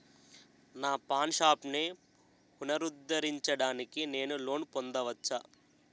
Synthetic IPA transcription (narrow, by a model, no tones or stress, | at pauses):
naːpaːnʃaːpne | punɐɾud̪ːɐɾiɲt͡ʃɐɽaːnikine̞ːnulo̞ːnpond̪ɐʋɐt͡ʃːaː